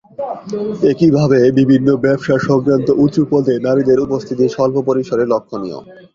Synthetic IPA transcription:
ekibʱabebibʱinːobɛpʃaɾʃɔɡɾant̪oʔut͡ɕupold̪enaɾid̪eɾupost̪ʰit̪iʃɔlbʱopoɾiʃoɾeɾlokʰːonḭo̰

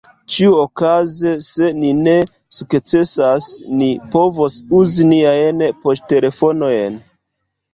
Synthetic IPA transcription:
t͡ʃiuokaze̞se̞nine̞ | sukt͡se̞sasnipo̞vosuziniajnpo̞ste̞le̞fo̞no̞jen

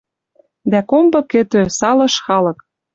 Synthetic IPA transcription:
d̪ækombɤ̆kɘ̆t̪øsɑlɤ̆ʃxɑlɤ̆k

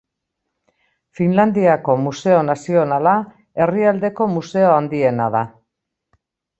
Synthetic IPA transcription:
finland̪iako̞muse̞o̞nasio̞nala | e̞riald̪e̞ko̞muse̞oand̪ie̞naða

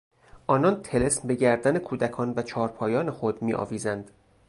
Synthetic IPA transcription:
ʔɒːnɒːnt̪ʰelesmbe̞ɟæɾd̪æne̞kʰuːd̪ækʰɒːnvæt͡ʃʰɒːɾpʰɒːjɒːne̞xod̪miːʔɒ̰ːviːzænd̪̥

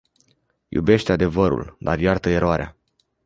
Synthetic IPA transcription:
jṵbe̞ʃt̪ead̪e̞vəɾṵld̪arjart̪əe̞ɾoaɾea̰

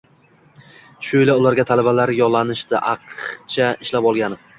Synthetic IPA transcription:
ʃʊɪlaʊlaɾɡʲat̪ʰalabalaɾjɒlˠːanɪʃt̪ɪʔɑqʰt͡ʃʰaɪʃlapɒlˠɡʲanɪ

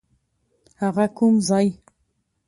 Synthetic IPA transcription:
aʁakʰumzaj

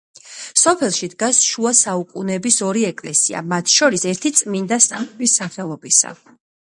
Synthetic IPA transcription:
sɔpʰɛlˠʃid̪ɡasʃuasaukʼunɛbisɔɾiɛkʼlɛsia̰mat̪ʰʃɔɾisɛɾt̪ʰit̪sʼmind̪asamɛbisaχɛlˠɔbisa̰

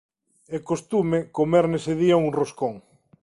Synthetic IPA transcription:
ekost̪umekomɛɾneseðiauŋroskoŋ

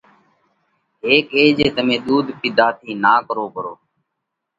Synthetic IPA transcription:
ɦeːkeːd͡ʒeːt̪əmẽːɗ̪uːd̪ʱpɪd̪ʱaːt̪ʰiːnaːkəɾoːpəɾo̰ː

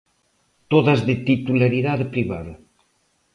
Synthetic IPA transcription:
t̪oðazðet̪it̪ulaɾiðaðepɾiβaðɐ

